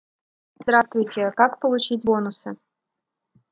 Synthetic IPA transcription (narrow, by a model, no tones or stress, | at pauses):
zd̪ɾast̪vʊjtʲekakpəlˠut͡ɕit̚ʲbonusɨ